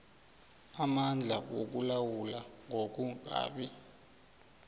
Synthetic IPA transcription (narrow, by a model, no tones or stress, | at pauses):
amand͡ɮʱawok̬ulawulaŋʱok̬uka̰ːɓi